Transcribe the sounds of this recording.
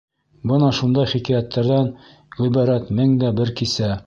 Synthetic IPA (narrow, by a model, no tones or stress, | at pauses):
bɤnɑʃund̪ɑjχikæjæt̪ːæɾðɑn | ʁibɑɾæt̪mɘŋd̪æbɘɾkisæ